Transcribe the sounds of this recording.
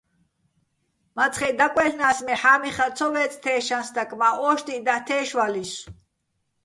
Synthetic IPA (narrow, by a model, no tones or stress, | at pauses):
mat͡sʰχɛd̪akʼwɛɬnaːsmɛħaːmiχat͡sʰɔvɛːt͡sʼt̪ʰɛːʃansd̪akʼmaʔɔʃt̪ʼid̪at̪ʰɛːʃwalis